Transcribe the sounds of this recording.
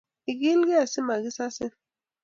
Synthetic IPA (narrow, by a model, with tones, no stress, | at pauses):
i˨ɡi˦lkɛ˦a˨si˦ma˨ki˦sa˦sɪ˦